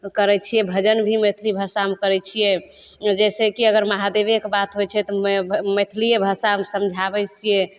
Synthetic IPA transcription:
kəɾɛt͡ʃʰijɛbʱəd͡ʒənbʱimet̪ʰlibʱəsamkəɾɛt͡ʃʰijɛd͡ʒɛsekiəɡəɾmaɦad̪ebekebat̪ɦojt͡ʃʰɛt̪ɔmet̪ʰlijebʱəsamsəmd͡ʒʱabɛt͡ʃijɛ

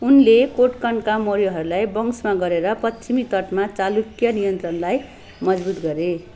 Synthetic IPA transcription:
unlekoʈkʌɳɖkamoɾijoɦʌɾulajbʌŋsmaɡʌɾeɾʌpʌt͡ʃʰimit̪ʌʈmat͡salukjʌnijʌnt̪rʌnlaj | mʌd͡zbut̪ɡʌɾe

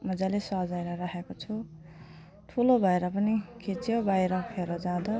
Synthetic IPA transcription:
mʌd͡zalesʌɦd͡zajɾʌɾaɦekot͡sʰu | ʈʰulobʱʌeɾʌpʌnikʰit͡sjobajɾʌpʰeɾʌd͡zãd̪ʌ

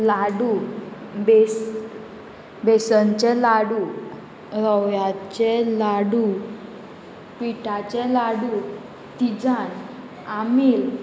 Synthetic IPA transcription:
laɽu | be | besənt͡ɕɛlaɽu | ɾəwjat͡ɕɛlaɽu | piʈat͡ɕɛlaɽu | t̪id͡zan | amil

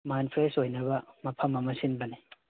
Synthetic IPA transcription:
majnpʰɾesojnɐβɐmɐpʰɐmɐmɐsinbɐni

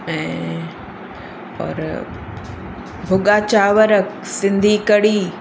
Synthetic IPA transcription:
ɛ̃ | ɔ̰ːɾ | bʱʊɠaːt͡ɕaːʋəɾək | sɪ̃nd̪ʱikɐɽiː

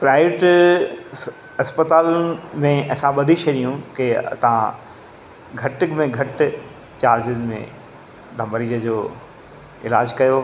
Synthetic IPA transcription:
pɾaːɪʋeʈ | ɐspət̪aːlmẽɐɦsãɓɐd̪ʱiʃɐɗijũket̪ɐʋ̤ã̰ | ɡʱɐʈɪkmẽɡʱɐʈɪ | t͡ɕaːɾd͡ʑɪzmḛ̃ | d̪ʱɐ̃mbəɾiːd͡ʑəd͡ʑoː | ɪla̰ːd͡ʑkɐjo

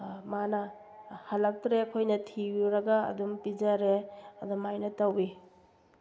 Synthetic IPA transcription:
manɐ | hɐlɐk̚tɾeɐkʰojnɐtʰijuɾɐɡa̰ːdumpid͡ʒɐɾeɐdumajnɐtɐwi

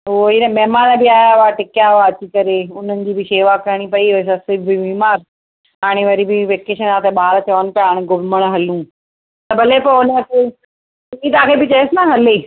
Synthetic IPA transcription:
oinɐmɛɦmaːnbɪaːjaʋaʈɪkjaaɐt͡ɕikɐɾeʊn̤ənɪ̆d͡ʑiːbɪseːʋakɐɾɽ̃ipɐiɦosasɪbibiːmaːɾ | ɦaːɽ̃eʋɐɾibɪʋeːkeːʃənaːt̪ʰeɓaːɾt̪ʰɐʋənɪ̆pijaaːɽ̃eɡʊməɽ̃ɦɐlũː | t̪ɐbʱɐlepɐʊnkʰe | ĩt̪aːkʰebɪt͡ɕɐjesɪnaɦɐleː

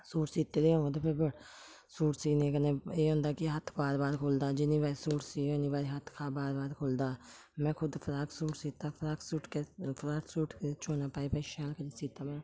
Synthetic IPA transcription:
suːʈsiːt̪eːd̪eːõːɡt̪eːpʰɪɾbəɽ | suːʈsiːnẽːkənẽːeːɦõːnd̪aːkɪɦət̪ʰbaːɾbaːɾkʰoːld̪aːd͡ʒɪnĩːbaːɾiːsuːʈsiːoniːbaːɾiːɦət̪ʰkʰaːbaːɾbaːɾkʰoːld̪aː | mɛ̃ːkʰʊd̪pʰəɾaːksuːʈsiːt̪ːaːpʰɾaːksuːʈkepʰɾaːksuːʈkːt͡ʃʰoːnaːpaːiːpəiʃɛːlkəɾesiːt̪aːmɛ̃ː

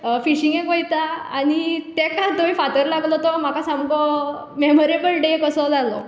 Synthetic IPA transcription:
fiɕiŋɡɛ̃kɔjt̪aañit̪ɛkad̪ojfat̪əɾlaɡlɔt̪ɔm̤akasãmɡɔ | memɔɾebəlɖekəsɔd͡zalɔ̰

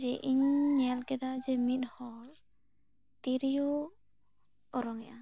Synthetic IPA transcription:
d͡ʒɛʔiɲɲɛlkɛd̪ad͡ʒɛmit̪̚hɔl | t̪iɾijɔ | ɔɾɔŋɛʔa

